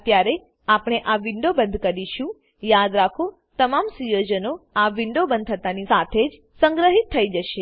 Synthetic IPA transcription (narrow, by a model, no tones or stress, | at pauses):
t̪jaɾe | apɽ̃eʔaʋɪɳɖobənd̪ʱkəɾiʃũ | jad̪ɾakʰo | t̪əmamsujod͡ʒənoaʋɪɳɖobənd̪ʱʰət̪anisat̪ʰed͡ʒ | sə̃ŋɡɾəɦit̪ʰːəid͡ʒəʃe